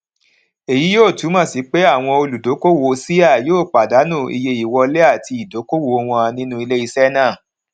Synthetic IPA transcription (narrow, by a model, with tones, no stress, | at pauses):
e˨ji˨˦joː˦˨tu˨˦mã˦˨si˨˦k͡pe˦a˦˨w̃ɔ̃˧o˧lu˨do˨˦ko˦wo˧si˦a˦˨joː˦˨k͡pa˨da˨˦nũ˦˨ḭ˧je˧i˨wɔ˧le˦a˦˨ti˧i˨do˨˦ko˦wo˨˦o˧w̃ɔ̃˧a˧nĩ˦nũ˦i˧le˦i˧sɛ˦nã˦˨